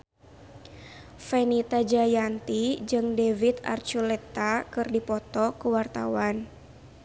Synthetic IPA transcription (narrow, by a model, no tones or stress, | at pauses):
fɛnit̪ad͡ʒajant̪id͡ʒɨŋdevit̪a̰rt͡ʃulɛt̪akɨrdipɔt̪ɔkəwart̪a̰wan